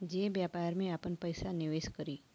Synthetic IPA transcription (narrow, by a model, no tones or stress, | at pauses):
d͡ʒebjapaːɾmẽapənpəjsanɪʋeːskəɾiː